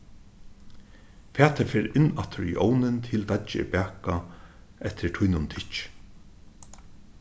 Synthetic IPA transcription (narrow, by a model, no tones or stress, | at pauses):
fæːt̪ʰafɛːɾɪnːat̪ʰʊɹḭʔɔːwnɪnt̪ʰɪld̪at͡ʃɪ̰pæːka | ɛht̪ʰɪɹt̪ʰujnʊnt̪ʰɪt͡ʃ